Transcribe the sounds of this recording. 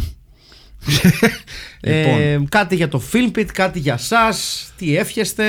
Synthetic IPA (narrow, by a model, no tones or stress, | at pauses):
eokɐt̪iʝɐt̪o̞filmpit̪kɐt̪iʝɐsɐst̪ie̞fçest̪e̞